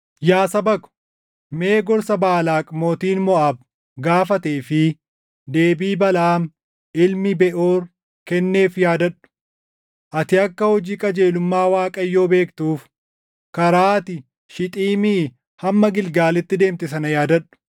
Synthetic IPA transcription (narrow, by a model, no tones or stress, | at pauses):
jaːsɐbɐkʊ̥ | me̞ːɡɔɾsɐbaːlaːkʼmoːt̪iːnmɔʔaːb | ɡaːfɐt̪eːfɪ | d̪e̞ːbiːbɐlaːm | ɪlmɪbɛʔoːɾ | kɛnːe̞ːfjaːd̪ɐᶑʊ̥ | ʔɐt̪ɪɐkːɐhɔd͡ʒiːkʼɐd͡ʒe̞ːlʊmːaːwaːkʼɐjːo̞ːbe̞ːkt̪uːf | kɐɾaːt̪ɪ | ʃɪt̪ʼiːmiː | hɐmːɐɡɪlɡaːlɪt̪ːɪd̪e̞ːmt̪ɪsɐnɐjaːd̪ɐᶑʊ̥